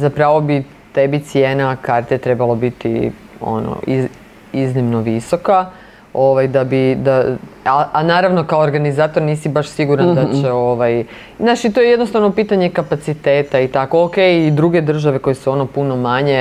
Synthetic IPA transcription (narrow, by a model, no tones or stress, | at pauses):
zapɾaʋo̞bi | t̪ebit̪sjeːnakaɾt̪et̪ɾebalobit̪ḭ | o̰no̰i | iznimno̞ʋiso̞ka | o̞ʋajd̪abid̪aaanaːɾaʋno̞kaoːɾɡanizaːt̪o̞ɾniːsibaʃsiɡuɾand̪at͡ɕeoʋaj | naʃit̪ojejed̪nost̪aʋnopiːt̪aɲekapat̪sit̪e̞ːt̪ait̪ako̞okeːjid̪ɾuɡe̞d̪r̩ʒaʋe̞ko̞jesuo̞no̞puno̞maɲe̞